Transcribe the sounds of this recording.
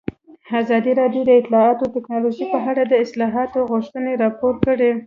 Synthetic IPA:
azɑd̪iɾɑd̪jod̪əɪt̪lɑɑt̪ot̪ɪknɑloʒipəɦaɽad̪əɪslɑɦɑt̪oɣʊʃt̪əneɾɑpoɾkəɽe

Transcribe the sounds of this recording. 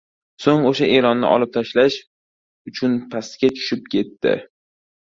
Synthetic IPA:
soŋoʃaʔeɾɒnːɪ̰ʔɒ̰lɪp̚t̪ʰaʃlaʃ | ʊt͡ʃʰʊnpʰast̪ɡʲat͡ʃʰʊ̥ʃɪp̚kʲʰe̞t̪ːɪ̰

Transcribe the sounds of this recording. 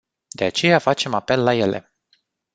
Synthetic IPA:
d̪e̞at͡ʃe̞jafat͡ʃe̞mape̞lːaje̞lʔe̞̰

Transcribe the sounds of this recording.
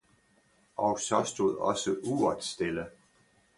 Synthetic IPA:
ʔɒʊsɒ̽sd̥uð̞̰ˠɒ̽səʔuːɐd̥sd̥elə

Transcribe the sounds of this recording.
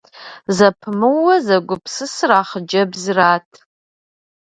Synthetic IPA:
zapʰmɨwazaɡʷʊpʰsɨsraːχd͡ʒɐbzratʰʼ

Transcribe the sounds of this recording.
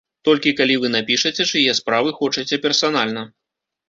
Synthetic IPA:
t̪ɔlʲkʲikalʲivɨnapʲiʂɐt͡sʲɛt͡ʂɨjɛspɾavɨxɔt͡ʂɐt͡sʲɛpʲɛrsanalʲnɐ

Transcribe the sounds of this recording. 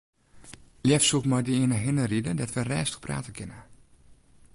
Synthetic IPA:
ljɛfsutmɔjdiiənəɦɪnəridədɔtʋərɛːstə̥xpra̰ːtəkʰɪnə

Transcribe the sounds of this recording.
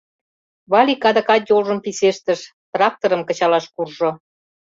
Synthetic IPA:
βɑlʲikɑd̪ə̆kɑt̪jolʒə̆mpiseʃt̪əʃ | t̪rɑk̚t̪oɾə̆mkə̆t͡ɕɑlɑʃkurʒo

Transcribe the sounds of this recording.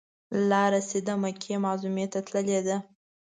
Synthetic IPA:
lɑɾased̪amakʰemɑzumet̪at̪ləled̪a

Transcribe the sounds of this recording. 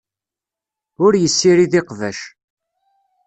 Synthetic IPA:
ʊɾjəsːiɾiðɪqvæʃ

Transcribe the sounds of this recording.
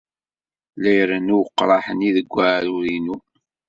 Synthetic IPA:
læjɾənuwqːɾˤɑħəniðəɡʷːaʕɾuɾinu

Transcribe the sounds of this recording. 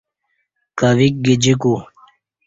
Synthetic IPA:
kaʋik̚ɡed͡ʑiku

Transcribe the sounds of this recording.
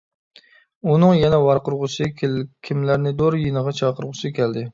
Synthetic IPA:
unɨŋjɛnɛwɑɾqʊɾʁʊʃɨkʲʰimlæɾnɪd̪oɾjinəʁɑt͡ʃʰɑqəɾʁʊʃɨkʲɛld̪ɪ

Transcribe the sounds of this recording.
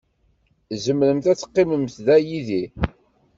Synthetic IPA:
zəmləmθæt͡sːə̥qːiməmθðæjiði

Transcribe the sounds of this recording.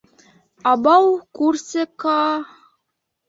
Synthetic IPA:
ɑbɑwkursʲekɑ

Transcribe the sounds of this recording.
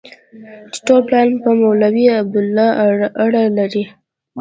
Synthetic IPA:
d̪ʈolplɑlpəmawlawiab̚d̪ʊlːɑaɽalaɾi

